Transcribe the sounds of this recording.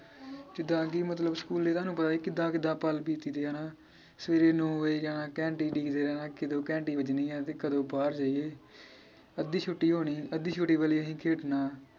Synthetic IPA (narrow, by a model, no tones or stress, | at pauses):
kɪd̪ãːkiːmət̪̬ləbskuːlːeːt̪aːnũːpət̪aːkiːkɪd̪ãːkɪd̪ãːpəlpiːt̪iːd̪eːaːnaː | səʋeːɾeːnõːeːd͡ʒaːnãːkɛ̃ːɳʈiːɖiːkd̪eːɾɛːnãːkɪd̪õːkɛ̃ːɳʈiːʋəd͡ʒniːãːt̪eːkəd̪õːbaːɾd͡ʒaːieː | əd̪ːiːt͡ʃʰʊʈːiːɦoːɳ̃iːəd̪iːt͡ʃʰʊʈːiːbəːliːəɦĩːkʰeːʈnaː